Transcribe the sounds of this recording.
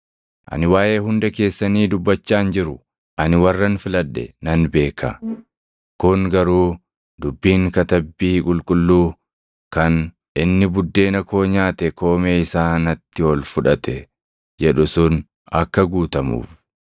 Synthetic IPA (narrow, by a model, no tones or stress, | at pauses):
ʔɐ̰nɪwaːʔe̞ːɦʊnd̪ɛke̞ːsːɐniːd̪ʊbːɐt͡ʃːaːnd͡ʒɪɾʊ | ʔɐnɪwɐrːɐnfɪlɐᶑːɛ̰nɐnbe̞ːkɐ̰ | kʊŋɡɐɾuː | d̪ʊbːiːŋkɐt̪ɐbːiːkʼʊlkʼʊlːuː | kɐn | ʔɪnːɪbʊd̪ːe̞ːnɐko̞ːɲaːt̪ɛko̞ːmeːɪsaːnɐt̪ːɪɔlfʊᶑɐt̪ɛ | d͡ʒɛᶑʊsʊn | ɐkːɐɡuːt̪ɐmṵːf